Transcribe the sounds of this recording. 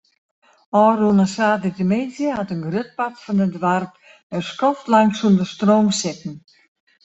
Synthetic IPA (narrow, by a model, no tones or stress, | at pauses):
ɔːɾunasaːdətəmeːzjəhatənɡrøt̚patfɔnədʋarp | əskɔftlaŋsundəstroːmsɪtn̩